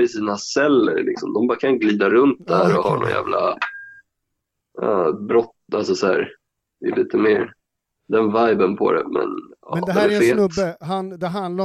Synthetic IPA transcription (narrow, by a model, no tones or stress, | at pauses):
ɪsiːnasɛlːə̰ɾlɪksɔmd̪ɔmbɑːɾakʰanɪəɡliːd̪aɾɵnt̪̚d̪ææɾɔhɑ̰ɳɔ̰njæ̰ːvlʔa | ɑːbɾɔt̪alsɔsɔæːɾ | d̪ɛɛliːt̪əmeːɾ | d̪ɛnvajbənpʰɔ̰d̪ɛ̰mɛ̰nɑːd̪d̪ɛfeːt̪hand̪ɛɦa